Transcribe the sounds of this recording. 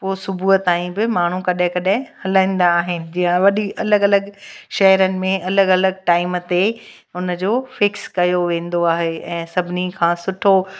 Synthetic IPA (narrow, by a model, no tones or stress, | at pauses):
poːsʊbʱuːət̪ːaːĩbɪmaːɳ̤ukɐɗɪ̃kɐɗɪ̃hɐlãːĩːn̆d̪aːɦɪnɪ̆d͡ʑijə̃ʋɐɗiʔɐləɡɐləɡʃɐɦəɾənɪ̆mẽɐləɡɐləɡ̚ʈaːɪmt̪e | ʊnə̆d͡ʑoːfɪkskɐjoʋẽːn̆d̪oaːɦeɛ̃ːsɐbʱɪnikʰãːsʊʈʰo